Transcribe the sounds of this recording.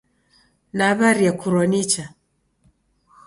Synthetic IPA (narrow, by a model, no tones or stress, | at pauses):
naːβaɾijakuɾɔnit͡ʃa